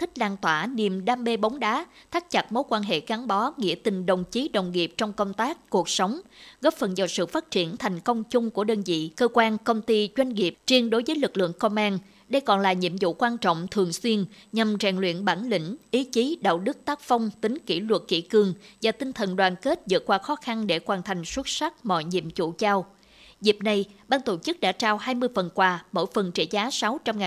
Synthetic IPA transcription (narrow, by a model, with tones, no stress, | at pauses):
t̪ʰï˦˥k̟̚laː˧nt̪waː˧˩ni˨˩əmɗaː˧mɓe˧ɓa˨˦wŋ͡mɗaː˨˦t̪ʰaː˦˥k̚t͡ɕa˨˩t̚mo˨˦˥jkwaː˧nɦḛ˧˨ka˨˦nɓɔ˨˦ŋḭ˧˥ət̪ï˨˩ŋ̟ɗə˨˩wŋ͡mt͡ɕi˨˦ɗə̰˨˩wŋ͡mŋi˨˩əp̚t͡ɕɔ˧wŋ͡mkə˧wŋ͡mt̪aː˦˥kːu˨˩ək̚sə˨˦wŋ͡mɣɔ˦˥p̚fə˨˩nzaː˨˩sɨ̰˧˨faː˦˥t̚t͡ɕi˧˩ənt̪ʰa˨˩jŋ̟kə˧wŋ͡mt͡ɕʊ˧ŋ͡mku˧˩əɗəː˧nzḭ˧˨kəː˧kwaː˧nkə˧wŋ͡mt̪i˧t͡ɕwa˧jŋ̟ŋi˨˩əp̚t͡ɕi˧ənɗo˨˦jvəː˨˦jlɨ˨˩k̚lɨ̰˧˨əŋkɔ˧mʔaː˧n | ɗə˧jkɔ̰˧˨nlaː˨˩ɲḭ˧˨əmzṵ˧˨kwaː˧nt͡ɕɔ̰˧˨wŋ͡mt̪ʰɨ˨˩əŋswi˧ənɲa˨˩mt͡ɕaː˨˩ŋlwḭ˧˨ənɓaː˧˩nlḭ̈˧˩ŋ̟ʔi˨˦t͡ɕi˨˦ɗa̰ː˧˨wɗɨ˦˥k̚t̪aː˦˥k̚fa˧wŋ͡mt̪ï˨˦ŋ̟ki˧˩lwə˨˩t̚kḭ˧˩kɨ˨˩əŋvaː˨˩t̪ï˧ŋt̪ʰə˨˩nɗwaː˨˩nke˦˥t̚zɨ̰˧˨t̚kwaː˧xɔ˨˦xa˧nɗe˧˩kwaː˧˩nt̪ʰa˨˩jŋ̟swə˦˥t̚sa˦˥t̚mɔ̰˧˨jɲḭ˧˨əmt͡ɕṵ˧˨t͡ɕaː˧w | zi˨˩əp̚na˨˩jɓaː˧ŋt̪o˧˩t͡ɕɨ˦˥k̚ɗa̰ː˧˥t͡ɕaː˧wɦaː˧jmɨ˧əjfə˨˩nkwaː˧mo̰˧˥˨jfə˨˩nt͡ɕe˧˩zaː˨˦sa˨˦wt͡ɕɔ˧wŋ͡mŋaː˨